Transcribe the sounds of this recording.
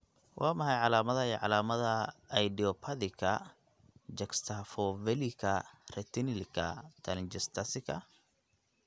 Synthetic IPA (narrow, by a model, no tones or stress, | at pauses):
wʔɑːmɐhɛjʕɑlaːmɐðɐɛʕɑ̰laːmɐðɐɐjd̪iɔpʰɐðɪkʰɐ | d͡ʒɐkst̪ʰafɔvɛlikʰɐrɛt̪inɪlkʰɐ̰t̪ʰɐlnd͡ʒɛst̪ʰɐsɪkʰɐ̰